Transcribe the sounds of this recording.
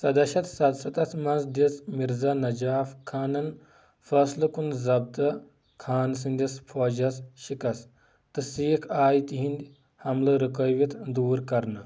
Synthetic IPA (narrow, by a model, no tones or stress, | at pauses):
sɐd̪ɐʃɐt̪sɐd̪sɐt̪ɐt̪mɐnzd̪ismiɾzɐnɐd͡ʒaːfkʰaːnɐn | fɐslɨkunzɐb̚t̪ɐ | kʰaːns̬inʲd̪ʲispʰoːd͡ʒɐsʃikɐs | t̪ɨsiːkʰaːjt̪iɦĩnd̪ʲ | hɐmlɐɾɨkɐjʋit̪ʰd̪uːɾkɐɾnɨ